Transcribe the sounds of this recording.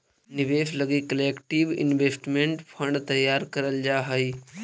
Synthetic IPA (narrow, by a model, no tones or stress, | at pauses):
nɪʋeːʃləɡikəleːkʈiʋɪ̰nʋeːsʈmẽɳʈpʰə̃ɳɖt̪əjːaːɾkəɾəld͡ʒaːɦəi